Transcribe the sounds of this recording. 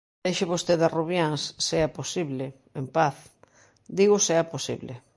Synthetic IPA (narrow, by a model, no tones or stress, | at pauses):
eʃɪβost̪eðaruβjaŋsːeaposiβlɪ | empaθ | d̪iɣʊseaposḭβlɪ̰